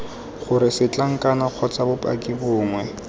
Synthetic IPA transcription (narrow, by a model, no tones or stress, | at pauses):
χʊɾɪsɪt͡ɬaŋ̩kʼanaq͡χʰɔt͡sabʊpʼa̰kʼɪbʊːŋwɛ